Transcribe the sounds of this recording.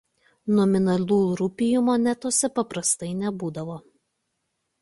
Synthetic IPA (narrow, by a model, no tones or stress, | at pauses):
nɔmʲɪnɐlʲuːɾʊpʲɪjumonʲɛt̪oːsʲɛpɐpɾɐst̪ɐɪnʲɛbuːd̪ɐʋoː